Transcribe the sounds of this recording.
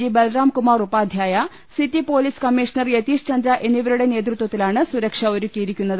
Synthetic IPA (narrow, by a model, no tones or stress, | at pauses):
ibelraːmkumarupaːd̪ʱjaːjɐ | sitːipo̞ːliskɐmːiʂnɐrjet̪iːʂt͡ɕɐnd̪ɾɐʔe̞niʋɐɾuɽe̞ne̞ːt̪̬rut̪wɐt̪ːilaːɳɨsuɾɐkʂɐoɾukʲːijiɾikʲːunːɐðɨ